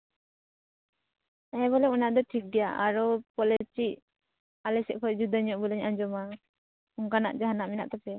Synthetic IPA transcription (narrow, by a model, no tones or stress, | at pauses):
ɛβɔlɛunaʔd̪ɔʈʰik̚ɡɛjaʔaɾɔpɔlɛt͡ʃiʔ̚ | alɛsɛʔ̚kʰɔd͡ʒud̪aɲɔʔbɔlɛɲaɲd͡ʒɔma | uŋkana̰ʔd͡ʒaɦanaʔmɛnaʔt̪ɔpɛ